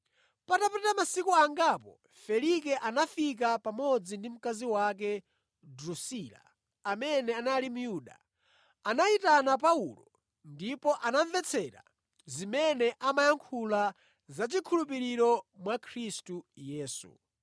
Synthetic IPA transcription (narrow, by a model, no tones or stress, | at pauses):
patapɛtamasikuaŋɡapɔ̰ | fɛlikɛʔanafik̬apamɔd͡zindim̩kaziwak̬ɛ | dɾusila̰ | amɛnɛanalimujuːɗa̰ | anaitanap̬aulɔ | ndipɔʔanaɱvɛt͡sʰɛɾa̰ | zimɛnɛʔamajaŋkʰula | zat͡ʃikʰulup̬iɾiɾɔmwakʰɾistujɛːsṵ